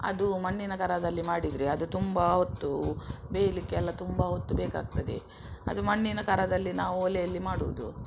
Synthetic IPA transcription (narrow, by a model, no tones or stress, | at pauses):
ɐ̰d̪umɐɳːinɐkɐɾɐd̪ɐlːimaːɽid̪ɾiɐd̪ut̪umbɐɦot̪ːubeːjɐlikːeɛlːɐt̪umbɐɦot̪ːubeːka̰ːɡ̚t̪ɐd̪ḛ | ɐ̰d̪umɐɳːinɐkɐɾɐd̪ɐlːinaːʋuɔlɛjɐlːimaːɽṵʋud̪ṵ